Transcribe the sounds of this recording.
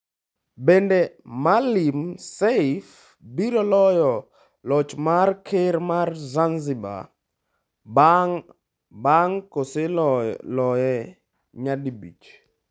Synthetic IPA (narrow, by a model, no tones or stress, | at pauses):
bɛndɛmalimseif | biɾɔlɔjɔ | lɔt͡ʃmarkʰeɾmarzanziba̰ | baŋkoselɔjɛ | ɲadibḭt͡ʃ